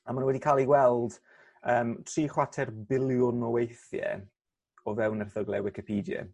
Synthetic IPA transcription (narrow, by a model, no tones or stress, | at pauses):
amannwɛdikʰalˠiwɛlˠd̥ | əːmtʰriːχwatʰɛrbɪlˠjʊnɔwejθjɛ̰ | ɔvɛwnərθəɡlˠɛwɪkɪpʰiːdjɛ̰